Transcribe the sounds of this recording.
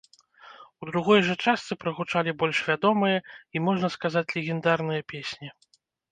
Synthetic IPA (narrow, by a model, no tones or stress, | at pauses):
ud̪ɾuɣɔjʐɐt͡ʂast̪sɨpɾɐɣut͡ʂalʲibɔlʲʂvʲad̪ɔmɨjɐimɔʐnɐskazat͡sʲlʲɛɣʲɛnd̪arnɨjɐpʲesʲnʲi